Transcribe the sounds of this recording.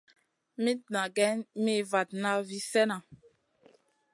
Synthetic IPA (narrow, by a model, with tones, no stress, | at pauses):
mi˦tna˨ɡɛ˦nmi˦˨va˨t̚na˦vi˦sɛ˦na˨